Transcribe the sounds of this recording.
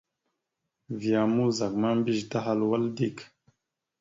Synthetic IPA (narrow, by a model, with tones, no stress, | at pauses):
vi˨a˨mu˦za˨k̚ma˦mbi˦ʒta˦ɦa˦lwa˦ldi˦˨k